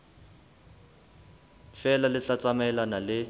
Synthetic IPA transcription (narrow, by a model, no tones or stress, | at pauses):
fɛlalɪt͡ɬat͡sʼamɛlanalɪ